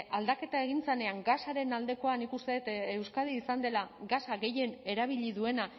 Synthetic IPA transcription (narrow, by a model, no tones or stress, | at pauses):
ald̪ake̞t̪ae̞ɣ̞int͡sene̞aŋɡasaɾe̞nald̪e̞ko̞anikust̪e̞ðet̪e̞wskað̞iːsand̪e̞laɡasaɣe̞je̞ne̞ɾaβ̞iʎiðue̞na